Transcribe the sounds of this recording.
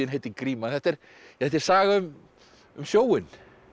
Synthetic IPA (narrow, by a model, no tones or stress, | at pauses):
ɪnɦejt̪ɪkɾiːmaθɛht̪ɛɾ | θɛht̪ɛɾ̥saːɣaʏm | ʏmsjoːwɪn